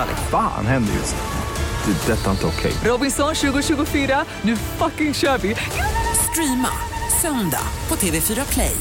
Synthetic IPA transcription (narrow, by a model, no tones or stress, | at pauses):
a̰lɛ̰fa̰ːnhɛnd̪ə̰jɪ̰s | d̪̥ɛd̪ɛt̪ːaɪnt̪əɔkʰɛ̰jɾɔbɪnsɔnɕʉ̟ːɡʊɕʉ̟ːɡʊfyːɾa | nʉ̟ːfakɪŋɕœːɾvɪ | st̪ɾiːma̰ | sœnd̪a̰pʰɔt̪ʰeːvefyːɾapʰlɛ̰j